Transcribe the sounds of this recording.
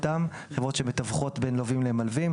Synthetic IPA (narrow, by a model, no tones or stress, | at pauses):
tamχevʁo̞tʃemetavχo̞tbenlovimlemalvim